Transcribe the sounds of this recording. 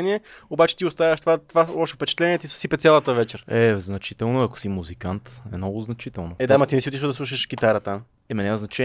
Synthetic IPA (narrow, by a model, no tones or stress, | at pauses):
niɛobat͡ʃɛ̥t̪iʊst̪avɐʃt̪ovat̪ovalˠɔʃo̥fpɛt͡ʃɛ̥t̪lɛniɛt̪isə̥sipɛt̪sʲalˠət̪əvɛt͡ʃɛɾɛznɐt͡ʃit̪ɛlˠnoɐko̥simuzikant̪ɛ̰mnɔɡʊznɐt͡ʃit̪ɛlˠnoɛd̪amɐt̪inɛsiot̪iʃvəd̪ɐslˠuʃ̬əʃɡit̪aɾət̪am | ɛmɛnʲɛɛznɐt͡ʃɛ